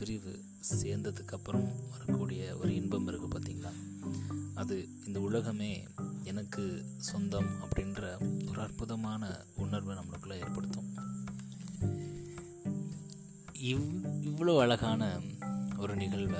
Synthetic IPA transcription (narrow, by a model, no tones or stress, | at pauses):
pɪɾɪʋɯ̰ | seːɾnd̪ɐðɯkːɐpːɐɾɐmʋɐɾɐkːuːɽɪjɐɔ̰ɾɯɪnbɐmɪɾɯkːɯpaːt̪iːŋɡɐlãː | ɐðɯ | ɪnd̪ɐʊɭɐɣɐmeː | ɛnɐkːɯ | sɔnd̪ɐmɐ̰pːɐɽɪndɾɐɔɾɯɐrpʊðɐmaːnɐ | ʊɳɐɾʋɯnɐmːɐɭɯkːɯlːãːeːɾpɐɽɯt̪ːõ | ɪʋːɐɭoːɐɭɐɣaːnɐ | ɔɾɯnɪɣɐɭʋɐ